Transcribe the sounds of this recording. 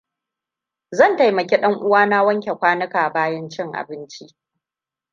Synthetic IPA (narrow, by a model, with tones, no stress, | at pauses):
zɐ˦˨nta˨jmɐ˨kʲe˦ɗɐ˦ŋʔʊ˦waː˦na˦wɐ˦ŋkʲe˨kʷaː˦nɐ˦kaː˨baː˦jɐ˦nt͡ʃɪ˦ŋʔa̰˨bɪ˦nt͡ʃi˦ʔ